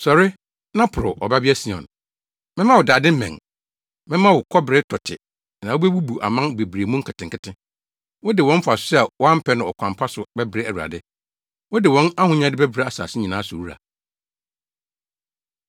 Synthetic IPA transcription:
sɔ˨ɾɪ˦ | nã˦pʰʊ˨ɾʊ˨ʔɔ̰˨ba˦bi˦æ˦si˨ɔ̰̃˨n | mɪ̃˦mã˦wɔ˨daː˨dɪ̃˦m̩˦mɛ̰̃˨ŋ | mɪ̃˦mã˦wʊ˨kʰɔ˦bɪ˨ɾɪ˦tʰɔ˨tʰɪ˨ | nã˨wo˦be˦bu˦bu˨ʔa̰˨mã˦nbe˨bɾe˨mũ˦ŋ̩˦kʰɪ˨tɪ̃˨ŋ˨kɪ˦tʰɪ̃˦ | wɔ˦dɪ˨wɔ̃˦m̩˦fʊ˨a˨sʊ̥˦sɛ˦a˨wɔ˦a˦m̩˦pʰɛ˦nʊ̃˨ɔ˨kʰʷã˨m˨pʰa˦sʊ˨bɛ˦bɾe˦æ˨wu˨a̰˨dɪ˦ | wɔ˦dɪ˨wɔ̃˦na˦hʊ̃˦ɲ˦ã˦dɪ˦bæ˦bɾe˦a˨sa̰ː˨sɪ˦ɲĩ˨nã˨˦sʊ˨wu˦ɾa̰˨

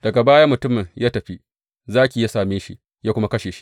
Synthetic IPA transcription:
d̥ɐ˨ɡa˨baː˦ja˦mʊ˨tʊ˦mɪ˨ŋjaː˦tɐ˨ɸi˦ | zaː˦kʲi˨jaː˦saː˨meː˦ʃḭ˦ | jaː˦kʷʊ˦ma˦kɐ˦ʃeː˨ʃi̥˦

